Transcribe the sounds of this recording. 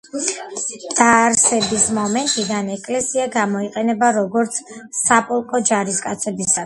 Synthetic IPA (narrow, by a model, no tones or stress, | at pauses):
d̪̥aɾsɛbismɔmɛnt̪ʼid̪anɛkʼlɛsiaɡamɔiqʼɛnɛbaɾɔɡɔɾt̪sʰsapʼɔlˠkʼɔd͡ʒaɾiskʼat̪sʰɛbisa